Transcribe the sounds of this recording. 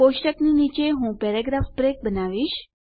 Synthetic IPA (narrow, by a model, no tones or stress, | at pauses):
poʃʈəkninit͡ʃeɦũpɛɾaɡɾafpɾek̚bənaʋiʃ